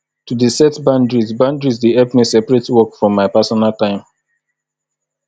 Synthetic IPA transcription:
tudisɛtbãndɹizbãndɹizdiɛpmisɛpɹetwɔkfɹɔ̃mːaɪpasɔnaltãɪ̃m

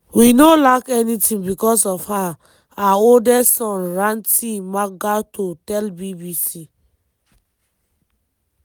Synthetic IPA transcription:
winolakɛnitʰĩnbikɔsɔfha | aoldɛsɔ̃nɹãntimaɡatotɛlbibisi

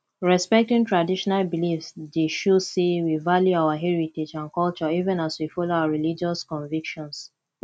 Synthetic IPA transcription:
ɹɛspɛk̚tĩŋtɹadiʃɔnalbilifsdeʃusewivaljuaʊəɦɛɹited͡ʒãnkɔlt͡ʃɔivɛ̃naswifɔloaaɹilid͡ʒɔskɔ̃nvikʃɔ̃ns

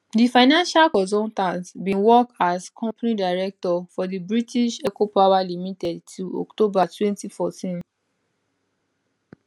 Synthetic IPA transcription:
difaɪnãnʃalkɔzɔtãntbĩnwɔkaskʰɔ̃mpanidaɪɹɛk̚tɔfɔdibɹitiʃɛkopawalimitɛdtʰuɔ̰ktobatwɛ̃ntifɔtĩn

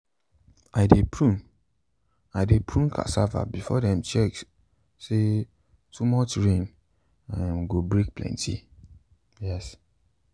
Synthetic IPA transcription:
aɪdepʰɹũm | adepʰɹũmkʰa̰sava̰bifɔdɛ̃mt͡ʃɛk | se | tʰumɔt͡ʃɹẽn | ãmɡobɹek̚plɛ̰̃ntʰḭ | jɛs

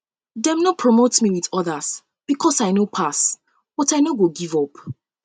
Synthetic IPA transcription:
dɛ̃mnɔpʰɹɔmotmiwiðɔðəs | b̥ikʰɔsaɪnopʰas | b̥ɔtaɪnoɡoɡivɔp

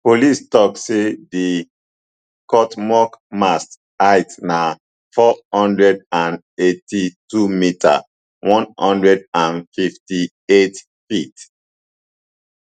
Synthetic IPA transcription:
polistɔksedi | kɔtmɔkmast | aɪtna | fɔhɔ̃ndɹɛdãn | etʰitumitʰa̰ | wʔɔ̃nhɔ̃ndɹɛdãnfifti | et | fit

